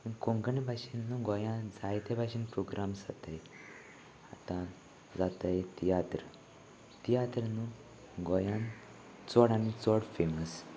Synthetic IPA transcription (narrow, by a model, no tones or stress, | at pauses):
ənkoŋɡəɳibʱaɕinːuɡɔjãd͡zajt̪ebʱaɕinpɾoɡɾamsat̪əj | at̪ã | d͡zat̪ajt̪ijat̪ɾ | t̪ijat̪ɾnu | ɡɔjãn | t͡sɔɽanit͡sɔɽfeməs